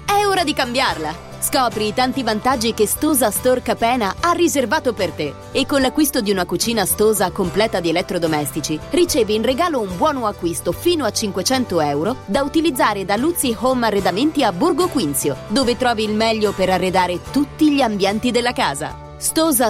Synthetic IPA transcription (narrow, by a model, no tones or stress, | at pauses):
ɛoːɾad̪ikambjarla | skɔːpɾit̪ant̪ivant̪ad͡ʒːikest̪oːzast̪orkapɛːnaarːizervaːt̪opert̪e | ekːonlakːwist̪od̪iunakut͡ʃiːnast̪oːzakomplɛːt̪ad̪ielɛt̪ːɾod̪omɛst̪it͡ʃirit͡ʃɛːviːnreɡaːloumbwɔːnoakːwist̪ofiːnoat͡ʃːiŋkwet͡ʃɛnt̪oɛwɾod̪aut̪ilid̪zːaːɾed̪alut̪sːihomarːed̪ament̪iabːurɡokwint̪sjod̪oːvet̪ɾɔːviːlmɛʎːopeɾarːed̪aːɾet̪ut̪ːiʎiambjɛnt̪id̪elːaka̰ːza̰ | st̪oːza